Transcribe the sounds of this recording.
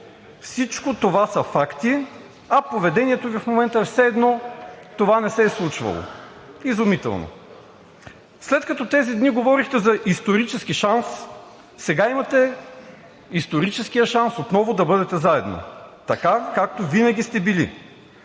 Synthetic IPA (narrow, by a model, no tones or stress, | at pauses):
fsit͡ʃkot̪ovasɐfakt̪i | ɐpovɛd̪ɛniɛt̪ovifmomɛnt̪əɛfsɛːd̪nɔt̪ovanɛsɛslˠut͡ʃvɐ̰lˠo̰ | izʊmit̪ɛ̰lˠno̰ | slɛt̪kɐt̪ɔt̪ɛzid̪niɡovɔɾixt̪ɛzɐʔist̪oɾit͡ʃɛsk̟iʃansː | ɛɡaimɐt̪ɛ | ist̪oɾit͡ʃɛskijəʃansot̪nɔvʊd̪ɐbɤd̪ɛt̪ɛzaɛd̪no̰t̪ɐkakak̚t̪ovinɐɡʲist̪ɛbilḭ